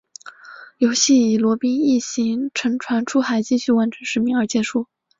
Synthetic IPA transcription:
jo˧˥ʊɕi˥˩i˨˩lwɔ˧˥pi˥ŋi˥˩ɕi˧˥ŋʈ͡ʂʰə˧˥ŋʈ͡ʂʰwa˧˥nʈ͡ʂʰu˥xa˧˥ɪt͡ɕi˥˧ɕy˥˩wa˧˥nʈ͡ʂʰə˧˥nʂɻ̩˧˥mi˧˥ŋə˞˧˥t͡ɕjɛ˧˥ʂu˥˩

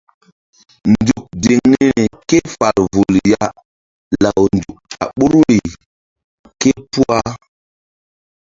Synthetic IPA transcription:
ndu˨k̚de˨ŋne˦e˦ne˨ke˦fa˨ɾvu˨lja˦ | la˨wndu˨k̚a̰˨ɓo˦ɾwe˨ | ke˦pu˦a˦

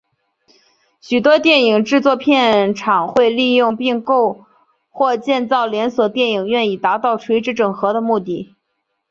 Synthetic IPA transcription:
ɕy˨˩t̪wɔ˥t̪jɛ˥˩ni˨˩ŋʈ͡ʂɻ̩˥˧t͡swɔ˥˧pʰjɛ˥˩nʈ͡ʂʰɑ˨˩ŋxwe˥˧ɪli˥˧jʊ˥˧ŋpi˥˧ŋko˥˧ʊ | xwɔ˥˧t͡ɕjɛ˥˧nt͡sɑ˥˩ʊljɛ˧˥nswɔ˨˩t̪jɛ˥˩ni˨˩ŋɥɛ˥˧ni˨˩t̪a˧˥t̪ɑ˥˩ʊʈ͡ʂʰwe˧˥ɪʈ͡ʂɻ̩˧˥ʈ͡ʂɤ˨˩ŋxɤ˧˥d̪ə˧mu˥˧t̪i˥˩

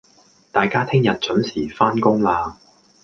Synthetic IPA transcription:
t̪aː˨jkaː˥t̪ʰɪ˥ŋjɐ˨t̚t͡ʃɵ˨˥nsiː˨˩faː˥nkʊ˥ŋlaː˧

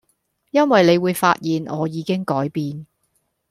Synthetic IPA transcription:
jɐ˥nwɐ˨jle˨˧jwuː˨˧jfa̰ː˧t̚jiː˨nɔː˨˧jiː˨˧kɪ˥ŋkɔː˨˥jpiː˧n

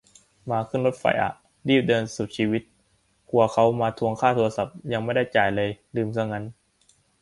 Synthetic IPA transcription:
maː˧kʰɯ˥˩nlo˦˥t̪̚fa̰˧˩jʔa̰˨˩ʔ | diː˥˩p̚dɤː˧nsu˨˩t̪̚t͡ɕʰiː˧wi˦˥t̪̚ | kʰu˧ɐkʰa˦˥wmaː˧t̪ʰu˧əŋkʰaː˥˩t̪ʰo˧a˧sa˨˩p̚ja˧ŋma˥˩jda˥˩jt͡ɕaː˨˩jlɤː˧jlɯː˧msa˥˩ŋa˦˥n

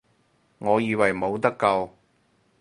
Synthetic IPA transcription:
ŋɔː˨˧jiː˧wɐ˨˩jmo˨˧wt̪ɐ˥kːɐ˧w

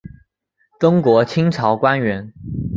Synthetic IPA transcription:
tʊ˥ŋkwɔ˧˥t͡ɕʰi˥ŋʈ͡ʂʰɑ˧˥ʊkwa˥nɥɛ˧˥n

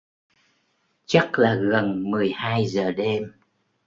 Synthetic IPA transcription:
t͡ɕa˦˥t̚laː˨˩ɣə˨˩nmɨ˨˩əjhaː˧jzəː˨˩ɗe˧m

